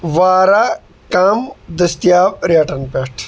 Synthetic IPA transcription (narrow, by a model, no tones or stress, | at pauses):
ʋaːɾaː | kaːmd̪ɐst̪jaːbɾjaːʈɐnpeʈʰ